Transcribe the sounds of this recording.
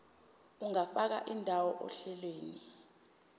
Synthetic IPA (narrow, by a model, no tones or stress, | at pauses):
uŋafak̬aʔindʱawɔʔɔ̰ɬɛlweːni